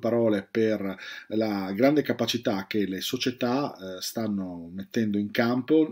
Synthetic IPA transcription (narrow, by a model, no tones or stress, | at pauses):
paɾɔːleperlaɡɾand̪ekapat͡ʃit̪ak̟ːelesot͡ʃet̪ast̪anːomet̪ːɛnd̪oiŋkampo